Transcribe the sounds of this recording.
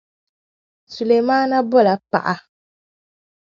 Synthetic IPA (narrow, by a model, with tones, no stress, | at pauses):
su˨le˨maː˦na˦bɔ˦la˨pa̰˨ʔa˨